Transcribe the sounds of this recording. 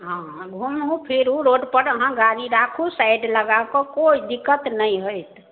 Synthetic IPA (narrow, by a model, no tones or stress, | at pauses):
ɦã | ɡʱumɦũpʰiɾɦũɾoɖpəɾəɦãɡaɾiɾakʰusajɖləɡakɔkoid̪ikːət̪nəjɦojt̪